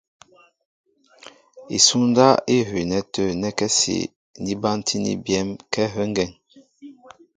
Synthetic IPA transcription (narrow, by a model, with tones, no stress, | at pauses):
ḭ˨su˦n˦da˦i˦ɦi˨nɛ˦tə˦˨nɛ˦kɛ˦sḭ˨ | ni˦ba˦ntʰi˦nḭ˦bjɛ˦mkɛ˦ɦə˦ŋɡɛ˨ŋ